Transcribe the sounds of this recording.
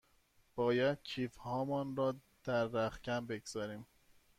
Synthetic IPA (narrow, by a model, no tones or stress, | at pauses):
b̥ɒːjæd̪̥̚cʰiːfhɒːmɔːnɾɒː | d̪̥æɾːæχcæmbe̞ɡz̥ɒːɾiːm